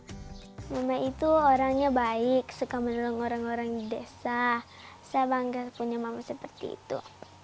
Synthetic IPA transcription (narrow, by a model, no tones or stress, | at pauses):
mamait̪uoɾaŋɲabaɪksukamənɔlɔŋoɾaŋoɾaŋdesa | sabaŋɡapuɲamamasəpərt̪ḭːt̪ṵ